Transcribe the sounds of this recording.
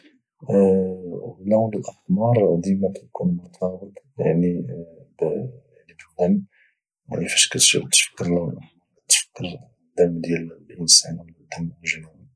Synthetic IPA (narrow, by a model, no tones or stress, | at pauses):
lawnəlʔəxmɑɾˤd̪imækæj̪kʰunmʊɾt̪ʰɑbət̪ˤja̰ʕnibjaʕnibədæm | ja̰ʕnifæʃkæt̪ʃt̪fə̥kːəɾl | t̪fə̥kːəɾ | d̪ːæmːd̪jælʔənsænw | d̪æmːlʒnumi